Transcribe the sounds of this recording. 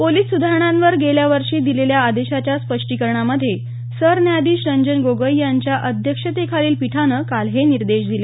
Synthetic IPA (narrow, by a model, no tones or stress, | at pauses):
poliːsːud̪ʱaɾəɳ̃ãnʋəɾɡeljaʋəɾʂiːd̪ileljaːd̪eɕat͡ɕjaspəʂʈikəɾɳaməd̪ʱːje | səɾnjad̪iːɕəɲd͡ʑənɡoɡəjjaɲt͡ɕjaʔəd̪ʱjəkʂət̪ekʰaliːlpiʈʰanəkalɦeniɾd̪eʂd̪ile